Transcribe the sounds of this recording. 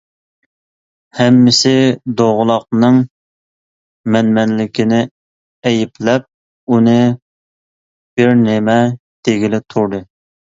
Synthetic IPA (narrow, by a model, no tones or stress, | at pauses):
hɛmːɪsɪd̪oʁʊlˠɑq̚nɨŋ | mɛnmɛnlɪkʲʰinɪ | ɛjɪplɛp̚ | unɨ | b̥ɪɾnɪmɛ | d̪̥eɡʲilɪt̪ʰuɾd̪ɨ